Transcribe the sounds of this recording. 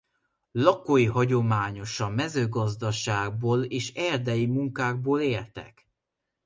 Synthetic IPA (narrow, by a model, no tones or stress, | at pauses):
lɒkojiɦɒɟo̞maːɲo̞ʃɒmɛzøːɡɒzd̪ɒʃaːɡ̚boːleːʃɛrd̪ɛjimuŋkaːɡ̚boːleːrt̪ɛ̰k